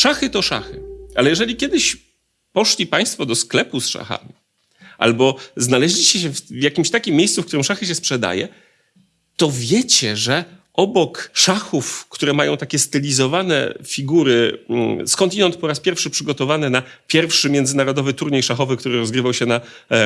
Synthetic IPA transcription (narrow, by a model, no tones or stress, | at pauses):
ʂaxɘt̪ɔʂa̰xɘʔalɛjɛʐɛlʲikʲɛd̪ɘɕ | pɔʂlʲipaj̃st̪fɔd̪ɔsklɛpusʂa̰xa̰mʲi | ʔa̰lbɔznalɛʑlʲit͡ɕɛɕɛfvjakʲimɕt̪akʲimʲːjejssufkt̪uɾɘmʂaxɘɕ̬ɛspʂɛd̪a̰jɛ̰ | t̪ɔvʲjɛt͡ɕɛʐɛ | ʔɔbɔkʂaxufkt̪uɾɛmajɔ̃w̃t̪akʲɛst̪ɘlʲizɔvanɛ̰fʲiɡuɾɘskɔnt̪ʲinɛnt̪̚pɔɾaspʲjɛɾfʂɘpʂɘɡɔt̪ɔvanɛnapʲjɛɾfʂɘmʲjɛnd̪zɘnaɾɔd̪ɔvɘt̪uɾɲejʂaxɔvɘk̚t̪uɾɘɾɔzɡɾɘvawɕɛna